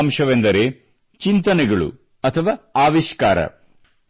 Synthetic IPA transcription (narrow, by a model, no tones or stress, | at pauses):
mʃɐʋend̪ɐɾeː | t͡ʃint̪ɐnɛɡɐɭṵ | ɐt̪ʰɐʋaːaːʋiʃkaːɾɐ̰